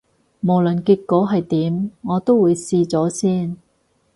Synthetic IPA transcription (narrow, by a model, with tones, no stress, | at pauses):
mo˨˩wlɵ˨˩nki˧kːɔː˨˥ɦɐ˨jt̪iː˨˥mŋɔː˨˧t̪o˥wːuː˨˧jsiː˧t͡sɔː˨˥siː˥n